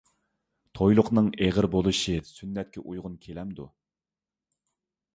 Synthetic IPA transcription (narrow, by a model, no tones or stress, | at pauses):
t̪ʰojlˠʊqnɨŋeʁəɾbolˠɨʃɨsynːɛt̪̚kʲɛ̰ʔujʁʊnkʲʰelɛmd̪ṵ